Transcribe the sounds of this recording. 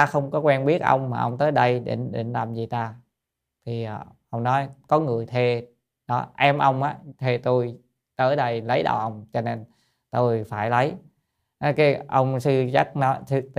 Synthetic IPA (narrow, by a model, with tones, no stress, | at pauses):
aː˧xə˧wŋ͡mkɔ˨˦kwɛ˧nɓi˦˥ət̚ʔə̰˧wŋ͡mmaː˨˩ʔə̰˧wŋ͡mt̪əː˨˦jɗə˧jɗḛ˧˩nɗḭ˨˧˩nlaː˨˩mzi˨˩t̪aː˧ | t̪ʰi˨˩˨ʔə˧wŋ͡mnɔ˨˦jkɔ˨˦ŋɨ˨˩əjt̪ʰe˧ | ɗɔ˨˦ʔɛ˧mʔə˧wŋ͡mʔaː˨˦t̪ʰe˧t̪o˧j | t̪əː˨˦jɗə˧jlə˨˦jɗa̰˨˩ʔə˧wŋ͡mt͡ɕɔ˧ne˧n | t̪o˧jfaː˧˩jlə˨˦j | n˨˦kaː˨˦jʔə˧wŋ͡msɨ˧t͡ɕa˦˥t̚nɔ˨˦jsɨ˧